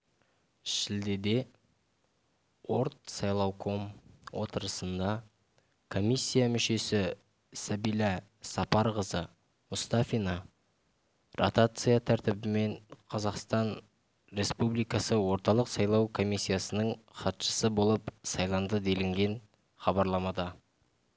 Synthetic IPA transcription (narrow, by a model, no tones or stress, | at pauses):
ʃɪld̪e̞d̪e̞ | wo̞ɾt̪sɑjlˠɑwkʰo̞mwo̞t̪əɾəsənd̪ɑ | kʰo̞mʲisʲːijamʏʃe̞sɪ | sæbijlˠɑ | sɑpɑɾʁəzə | mʊst̪ɑfinɑ | ro̰t̪at̪sɨjat̪ʰæɾt̪ɪbɪme̞ɴqʰɑzɑqst̪ɑn | ɾe̞spublijkɑsəwo̞ɾt̪ɑlˠəqsɑjlˠɑwkʰo̞misʲːijasənəɴχɑt̪ʃə̥səbo̞lˠəpsɑjlˠɑnd̪əd̪e̞lɪŋɡʲe̞n | χɑbɑɾlˠɑmɑd̪ɑ